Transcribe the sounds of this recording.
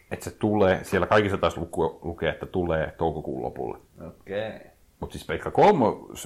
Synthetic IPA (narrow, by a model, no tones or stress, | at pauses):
et̪set̪ulˑeːsielːækɑikisːɑt̪ɑːslukːˑulukeːet̪ːæt̪ulˑeːt̪oukokṵːlːo̰pṵlːḛ | oke | mut̪sispeikʰːɑkolmos